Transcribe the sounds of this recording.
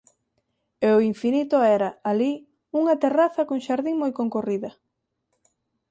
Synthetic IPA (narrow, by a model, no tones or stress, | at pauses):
eoiɱfinit̪oɛɾɐali | uŋɐt̪eraθɐkoŋʃaɾðiŋmojkoŋkoriðɐ